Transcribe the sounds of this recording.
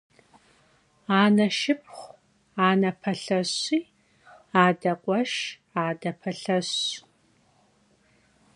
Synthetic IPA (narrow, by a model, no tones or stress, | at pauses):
aːnɐʃɪp̚χʷ | aːnɐpʰɐɬɐɕiː | aːdɐqʷʼɔʃ | aːdɐpʰɐɬɐɕ